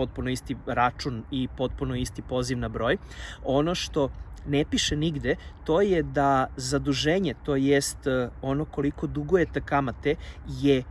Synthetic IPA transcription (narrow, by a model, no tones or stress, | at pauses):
ot̪̚punoist̪iɾat͡ʃunipo̞t̪̚punoist̪ipo̞ːziʋnabɾo̞ːj | o̞no̞ʃt̪o̞nepiʃeniɡd̪et̪o̞jed̪azad̪uʒeːɲet̪o̞ːjest̪o̞no̞ko̞liko̞d̪uɡojet̪akamat̪eje